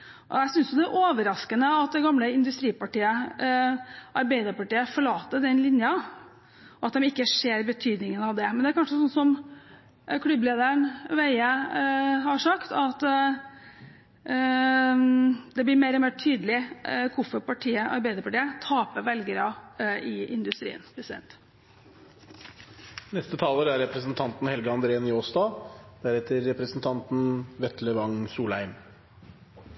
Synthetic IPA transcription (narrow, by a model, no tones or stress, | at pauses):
ʔɔ̰æɪsʏnsjʊd̪ɛæʔoːʋəɾɑskənəɑt̪̚d̪ɛɡɑmləɪnd̪ʉst̪ɾiːpɑʈiːə | ʔɑɾbæɪd̪əɾpɑʈiːəfɔɭɑːt̪ːəɖ̪ɛnlɪnjɑ | ɔɑt̪̚d̪ɛmɪkːəʂeːɾbət̪ʰyːd̪nɪŋənɑʋd̪ɛmɛnd̪ɛæɾkɑnʂəsɔnsɔm | kʰlʉbleːd̪əɳʋæɪə | hɑʂɑkt̪ɑt̪ː | d̪ɛblɪɾmeɪɾɔmeːʈʰyːd̪əlɪkʰʊfəpɑʈʰiːəʔɑ̰ɾbæɪd̪əpɑʈiːət̪ʰɑːpəʋɛlɡəɾɑɪɪnd̪ʉst̪ɾḭːə̰npʰɾɛsɪd̪ɛ̰nt̪ | nɛst̪ət̪ʰɑːləɾæɾɾɛpɾəsnt̪ʰɑnt̪n̩hɛlɡəɑnd̪ɾeːnjoːsd̪ɑːd̪̥æɾɛt̪əɾːɛpɾəsnt̪ʰɑnt̪nʋɛt̪ləʋɑŋsuːlhæɪm